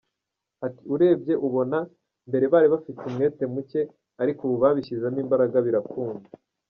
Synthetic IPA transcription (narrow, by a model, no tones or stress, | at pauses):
ati̥uɾe̞ːbɟe̞ʔuβo̞na | mbe̞ɾe̞βaːɾiβafitumŋe̞ːte̞muce̞ | aɾikuβuβaːβiçizaniːmbaɾaɡaβiɾakuːnza